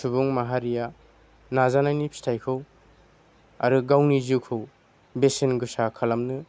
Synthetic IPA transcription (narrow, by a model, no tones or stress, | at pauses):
subuŋmaɦaɾija | nazanajnipʰi̥tʰajkʰɯw | a̰ɾɯɡawniziwkʰɯw | besenɡɯsakʰalamnɯ